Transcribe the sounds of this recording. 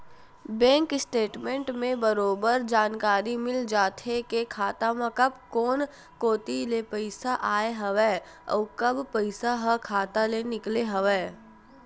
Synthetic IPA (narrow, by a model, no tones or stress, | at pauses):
bɛ̃ːŋkɪsʈeːʈmẽɳʈmẽbəɾoːbəɾd͡ʒaːnkaːɾimɪld͡ʒaːt̪ʰekekʰaːt̪amãkɐbkɔːn | koːt̪ilepəɪsaʔaːeɦɐʋɛː | ɔ̰ːkɐbpɐɪsaɦɐkʰaːt̪alenɪkleɦɐʋɛː